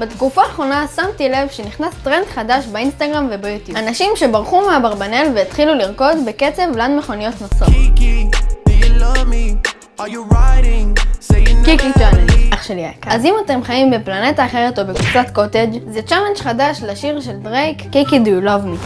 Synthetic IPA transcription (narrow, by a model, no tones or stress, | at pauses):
betkufaːχʁo̞nasamtilevʃeniχnast̪ʁendχadaʃbainst̪aɡʁamvebajutjuanaʃimʃe̞baʁχumeabaʁbane̞lveit̪χiluliʁko̞dbeke̞t͡se̞vlanmeχonijo̞tnosotk | lʌmi | jɹaɪɾɪ̃ŋekikit͡ʃalend͡ʒaχʃeljakazimate̞mχajimbeplanetaːχe̞ʁeto̞bekvut͡satko̞ted͡ʒzet͡ʃalend͡ʒχadaʃlaʃiʁʃe̞ldʁejkːikidulavmi